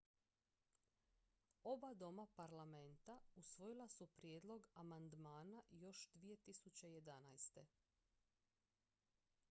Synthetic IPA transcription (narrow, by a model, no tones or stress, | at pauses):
o̞bad̪o̞mapaɾlˠame̞nt̪ausʋo̞jilˠasupɾje̞ːd̪lˠo̞ɡamand̪maːnajo̞ʃd̪ʋije̞t̪isut͡ɕe̞je̞d̪anajst̪e̞